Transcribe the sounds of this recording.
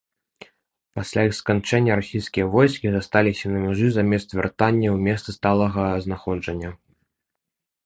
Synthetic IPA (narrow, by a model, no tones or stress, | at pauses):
pasʲlʲaixskant͡ʂɛnʲːɐɾasʲijskʲijɐvɔjskʲizast̪alʲisʲɐnɐmʲɛʐɨzamʲɛst̪vʲɛ̰rt̪anʲːɐwmʲɛst̪sɨst̪alˠɐɣɐznaxɔd͡ʐɐnʲːɐ